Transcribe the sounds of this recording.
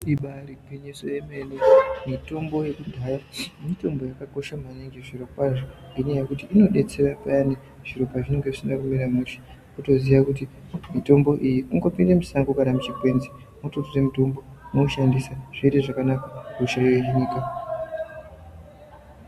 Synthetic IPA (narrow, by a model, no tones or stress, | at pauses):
iɓaɾiɡʱwiɲisojeme̞nemito̞mbo̞je̞kudʱajamito̞mbo̞jakako̞ʃamaniŋɡeʐiɾo̞pwaʐo | inejakutiːno̞ɗe̞t͡se̞rapajane | ʐ̥iɾo̞paʐine̞ŋɡe̞ʐisindakumeɾamuʃi̥ | kuto̞ziʋakuti | mito̞mbo̞ʔijiuŋɡo̞pindemisaŋɡokanamut͡ʃikwe̞nzi | mututure̞mito̞mbo̞nouʃandisaʐ̥iiteʐakanakakuʃaiweɦiniːka